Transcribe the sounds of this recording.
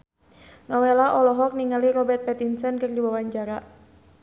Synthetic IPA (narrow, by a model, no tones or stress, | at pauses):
nɔwelaʔɔlɔɦɔk̚niŋaliɾɔbɛrt̪̚pɛt̪insənkɨrdiwawaɲd͡ʒaɾa